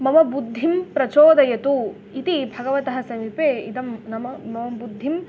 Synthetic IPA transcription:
mɐmɐbud̪ʱːimpɾɐt͡ʃoːd̪ɐjɐt̪u | it̪ibʱɐɡɐʋɐt̪ɐɦɐsɐmipeːḭd̪ɐmnɐmɐmɐmɐmbud̪ʱːim

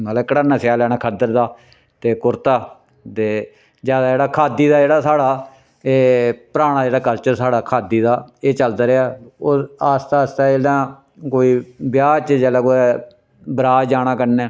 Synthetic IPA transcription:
mət̪ləbkəɽanãːsɪjaːlɛːɽ̃ãːkʰəd̪əɾd̪aː | t̪eːkʊɾt̪aː | t̪eː | d͡ʒjaːd̪aːd͡ʒeːɽaːkʰaːd̪iːd̪aːd͡ʒeːɽaːsaːɽaː | eːpəɾaːɽ̃aːd͡ʒeːɽaːkəɾt͡ʃəsaːɽaːkʰaːd̪iːd̪aːeːt͡ʃəld̪aːɾeaːoaːst̪aːst̪aːd͡ʒeːɽãː | koːiːbjaːt͡ʃd͡ʒaːlaːkoːɛ | bɾaːd͡ʒaːɽ̃aːkəɾnɛː

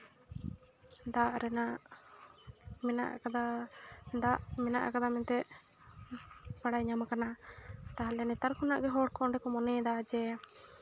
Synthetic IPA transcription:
d̪aʔɾɛna | mɛna̰ʔkad̪a | d̪aʔmɛnaʔa̰kad̪amɛnt̪ɛʔ | paɽajɲamakanat̪aɦalɛnɛt̪aɾkunaʔɡɛɦɔɽkɔɳɖɛkɔmɔnɛd̪aad͡ʒɛ

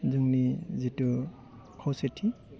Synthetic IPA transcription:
zuŋnizitu | kʰɔwsetʰi

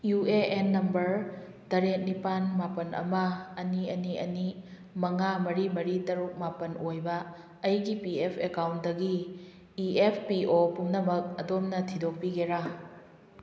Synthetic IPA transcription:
jueenːɐmbɐɾ | dɐɾet̚nipanmapɐnɐ̰mɐːniɐniɐ̰ni | mɐŋamɐɾimɐɾitɐɾuk̚mapɐnojbɐː | jɡipiepʰekawnt̚dɐɡiː | epʰpiʔopumnɐmɐk̚ɐdomnɐtʰidok̚piɡeɾa

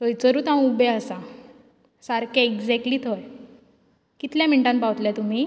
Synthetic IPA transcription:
təjt͡səɾuːt̪ãw̃ubeəsa | saɾkaeɡd͡zɛkʈliːt̪ʰoj | kit̪ljam̤əɳʈãnpawt̪ljat̪um̤iː

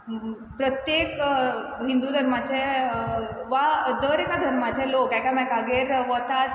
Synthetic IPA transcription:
pɾət̪jekɦind̪ud̪ʱəɾmat͡ɕe | ʋad̪əɾekad̪ʱəɾmat͡ɕelokɛkamɛ̃kaɡeɾʋət̪at̪

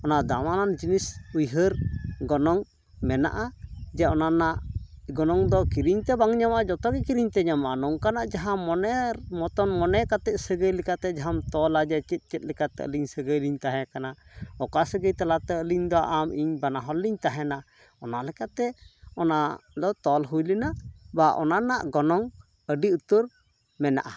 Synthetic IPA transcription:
ɔnad̪amanand͡ʒinisujɦəɾɡɔnɔŋ | mɛna̰ʔad͡ʒɛɔnanaʔɡɔnɔŋd̪ɔkiɾiɲt̪ɛbaŋɲamaʔd͡ʒɔt̪ɔɡɛkiɾiɲt̪ɛɲamaʔanɔŋkanaʔd͡ʒaɦamɔnɛmɔt̪ɔnmɔnɛkat̪ɛʔsəɡəjlɛkat̪ɛd͡ʒaɦamt̪ɔlad͡ʒɛt͡ʃɛt̪̚ˀt͡ʃɛt̪̚ˀlɛkat̪ɛ̰ə̰liɲsəɡəjliɲt̪aɦɛ̃kanaɔkasəɡəjt̪alat̪ɛəliɲd̪ɔʔamiɲbanaɦɔlːiɲt̪aɦɛna | ɔnalɛkat̪ɛɔnad̪ɔt̪ɔlɦujlinaʔbaʔɔ̰nanaʔɡɔnɔŋ | əɖiut̪uɾ | mɛna̰ʔa

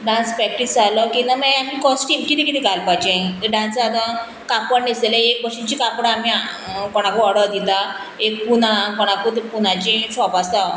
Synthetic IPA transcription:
ɖãnspɾɛk̚ʈisd͡zaləkinameamikɔsʈimkit̪ĩkit̪ʰĩɡʱalpajd͡ʑẽɖãnsad̪ə | kapəɳdiseleek̚bəɾʂit͡ɕikapɽaːmia | kɔɽ̃akuəɽəd̪it̪a | ek̚punakɔɽ̃akut̪punat͡ɕĩsɔpast̪a

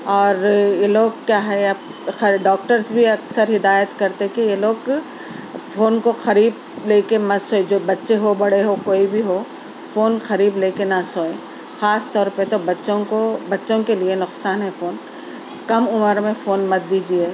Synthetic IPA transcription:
ɔːɾjeloːɡ̚kjaːɦɛɐ | xɐɖɔːk̚ʈəɾsbʱiɐksəɾɦɪd̪aːjət̪kɐɾt̪ekijeloːɡ | foːnkoxɐɾiːb̚ | leːkemɐsoːed͡ʒoːbɐtːʃeɦobɐɽeɦokoːibʱiɦo | foːnxɐɾiːbleːkenasoːẽ | xaːst̪ɔːɾpət̪obɐtːʃõkobɐtːʃõkelienʊqsaːnɦɛfoːn | kɐmʊməɾmẽfoːnmɐt̪̚d̪iːd͡ʒieː

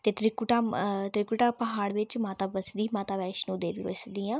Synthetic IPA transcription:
t̪eːt̪ɾɪkʊʈaːt̪ɾɪkʊʈaːpəɦaːɽʋɪt͡ʃmaːt̪aːbəsd̪iːmaːt̪aːʋɛːʃnũːd̪eːʋḭʋə̰sd̪iːãː

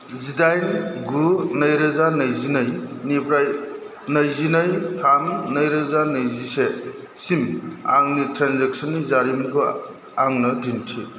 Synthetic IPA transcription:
zidajnɡunɐjɾɐzanɐjzinəjnipɾaj | nɐjzinɐjpʰanːɐjɾɐzanɐjzise | sima̰ŋnitɾanzek̚sɔnːizaɾimɡɯ | aŋnɐdintʰḭ

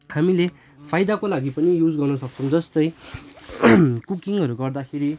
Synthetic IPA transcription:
hamile | pʰajd̪akolaɡipʌnijud͡zɡʌrnʌsʌk̚t͡sʰʌw̃d͡zʌst̪ʌj | kukiŋɦʌɾuɡʌrd̪akʰeɾi

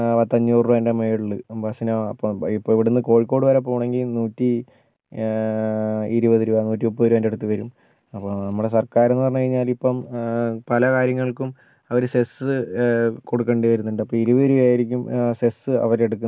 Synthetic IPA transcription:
pɐt̪ːɐɲːuːrʋɐndemejɽuɭːɨpɐsɐnoɐpːoipːoɭiʋiɽenːɨko̞ːɻikːo̞ːɽɨʋɐɾep̬ːoːuɳe̞ŋɡilnuːtːi | iɾuʋɐðiɾuanuːtːiopːɐðiɾuʋɐndeɽut̪ːɨʋɐɾum | ɐpːonɐmːuɽes̬ɐrkaːɾenːɨpɐrɐɲukɐɻiɲːaːlipːompɐlɐkaːɾjɐŋːɐɭkum | ɐʋɐɾusesɨkoɽukːeɳɖiʋɐɾunːuɳɖɨɐpːoːiɾuʋɐɾuaːjiɾikʲːumsesɨɐ̰ʋɐɾeɽuk̬ːun

